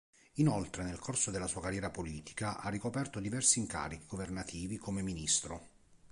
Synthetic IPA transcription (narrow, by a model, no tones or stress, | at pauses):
inolt̪ɾenelkʰorsod̪elːasuːakarːjɛːɾapoliːt̪i̥kaʔa̰rːikopɛrt̪od̪ivɛrsiːŋka̰ːɾik̟iɡovernat̪ʰiːvikʰomeminist̪ɾo